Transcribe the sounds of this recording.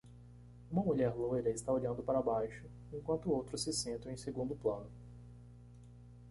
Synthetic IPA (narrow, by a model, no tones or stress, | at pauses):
ũmɐmuʎɛɾlojɾɐɪst̪aoʎɐ̃nd̪ʊpaɾɐbajʃʊ | ẽŋkwɐ̃nt̪ʊowt̪ɾʊsɪsẽnt̪ɐ̃ẽj̃seɡũnd̪ʊplɐ̃nʊ